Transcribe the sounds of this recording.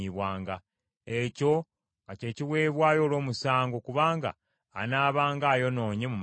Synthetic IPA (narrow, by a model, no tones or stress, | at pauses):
iβwaːŋɡa | eco̞ | ŋɡace̞ːciwe̞ːβwaːjo̞ːlo̞ːmusaːŋɡokuβaːŋɡa̰ː | naːβaːŋɡaːjo̞no̞ːɲemum